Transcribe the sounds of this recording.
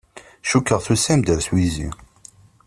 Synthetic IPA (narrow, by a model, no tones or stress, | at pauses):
ʃukːəʁθusæmd̪əɾswizḭ